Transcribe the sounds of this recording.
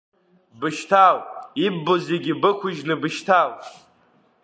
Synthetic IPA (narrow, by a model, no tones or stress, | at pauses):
bɨʃtʰawibːozeɡʲɪbɨkʷʰʊʒnɨbɨʃtʰaw